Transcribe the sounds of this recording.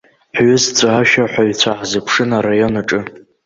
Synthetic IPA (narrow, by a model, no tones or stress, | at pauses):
ħɥʏzt͡sʷʼaaʃaħʷᶣaɥt͡ɕʷʰaħzɨpʰʂɨnarajo̞naʈ͡ʂʼɨ